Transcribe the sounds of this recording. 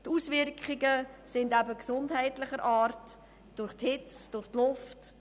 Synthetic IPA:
tusvɪɾkχɪɡəsɪndæbəksʊndɦɛɪtlɪχəɾʔaːɾt | d̥ʊɾχthɪt͡sd̥ʊrχtlʊft

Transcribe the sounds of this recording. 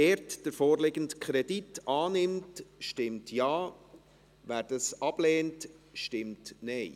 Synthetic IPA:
ɛːɾtd̥əɾfoːɾlɪɡəntkχɾɛditɑːnɪmtʃtɪmtʰjɑː | væːɾd̥əsɑb̥lɛːntʃtɪmtnɛɪ

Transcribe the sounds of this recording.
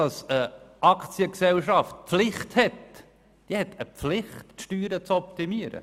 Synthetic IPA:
d̥ɑsəʔɑkt͡sjəksɛlʃɑft̚pflɪχthɛt | d̥iəhɛtʰəflɪχtʃtyːɾət͡sɔp̚timiəɾə̰

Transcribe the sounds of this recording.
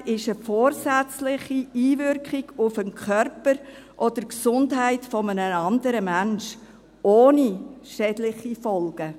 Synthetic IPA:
ɪʃəfoːɾsæt͡slɪχiiːvʏɾkχɪɡ̥ʊfənkχʰœrpəɾ | ʔɔd̥əɾksʊndɦæɪtfɔmənəɑndəɾəmænʃ | oːniʃɛdlɪχifɔlɡ̥ə

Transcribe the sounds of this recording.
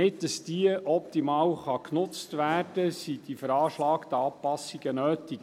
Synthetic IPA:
ɪtdɑsd̥iəʔɔp̚t̪imɑːwχɑknʊt͡stʋæːrd̥əsid̥̪ifəɾɑːʃlɑːkt̪əɑːpɑsiɡ̥ənøːtik

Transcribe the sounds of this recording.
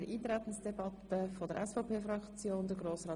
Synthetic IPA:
ɾʔiːt̪ɾɛt̪ən̩sd̥ɛbɑt̪əfodəɾʔɛsfɔpʰeːfrɑkt͡sjoːnd̪əɡɾoːsrɑː

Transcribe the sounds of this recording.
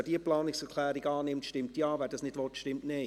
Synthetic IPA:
ɛd̥iəplɑːnɪksɛkʰl̥ɛːɾiɡaːnɪmtʃtɪmtjaːvɛːd̥ɑsnɪdvɔtʃtɪmtnɪ

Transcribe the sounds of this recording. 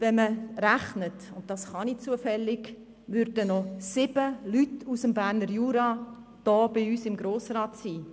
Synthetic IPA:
vɛnməræχnətʊntdɑsχɑnit͡suəfɛlːɪɡ | ʋʏɾdənɔsɪbəlytusəmbæːrnəɾjuːɾɑd̥ɔːb̥ɪyːsɪmɡɾoːsrɑːtsiː

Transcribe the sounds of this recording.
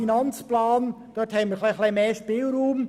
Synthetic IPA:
inant͡splaːn | d̥ɔthɛbnməχlaklemeːʃpiːlɾuːm

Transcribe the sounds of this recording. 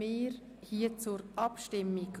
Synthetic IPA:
ɪːɾ | hiət͡sʊɾʔɑpʃtɪmːiɡ

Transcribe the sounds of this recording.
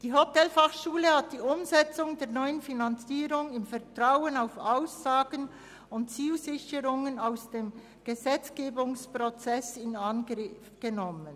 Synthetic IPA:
d̥iːɦotɛlfaχʃuːləhat̚d̥iːʊmzɛt͡sʊŋdeːʁnɔʏənfinant͡siːɾʊŋɪmfɛʁtʁ̥aʊənaʊfaʊsːaːɡən | ʊntt͡siːlzɪçəɾʊŋənaʊsd̥eːm | ɡ̥əzɛt͡sɡ̥eːbʊŋspʁ̥ot͡sɛsɪnanɡʁɪfɡ̥ənɔmən

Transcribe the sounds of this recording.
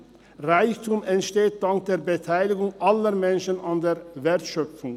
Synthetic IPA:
ʁaɪçtʰumɛntʃteːt̚d̥aŋk̚d̥eːɐbətʰaɪlɪɡʊŋʔaləmɛnʃənandeːɐveɐtʃœfʊŋ

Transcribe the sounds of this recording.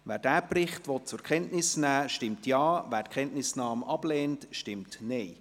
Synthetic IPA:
ʋæːɾdæːprɪχtʋɔt̚t͡sʊɾkʰɛntnɪsnæːʃtɪmtjɑːvæːɾtkʰɛntnɪsnɑːmɑb̥lɛːntʃtɪmtnɛɪ

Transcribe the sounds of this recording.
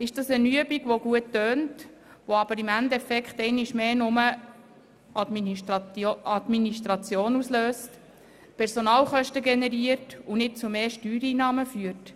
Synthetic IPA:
ɪʃd̥ɑsənyəbiɡ̥ʋoɡ̥uətːøːnt | ʋoɑb̥əɾɪmændɛfɛkχtɛɪniʃmeːnʊmə | ɑd̪miniʃtɾɑt͡sjoːnusløːst | pʰɛɾsonɑːlχœʃtəɡɛnɛɾiəɾtunɪt̚t͡sumeːʃtyːɾiːnɑːməfyəɾt

